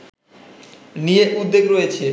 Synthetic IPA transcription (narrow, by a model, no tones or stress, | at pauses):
nijeʔud̪ːeɡɾojet͡ɕʰe